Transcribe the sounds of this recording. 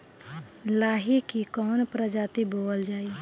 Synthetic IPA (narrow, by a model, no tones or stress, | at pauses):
laːɦikikɔːnpɾəd͡ʒaːt̪iboːəld͡ʒaːi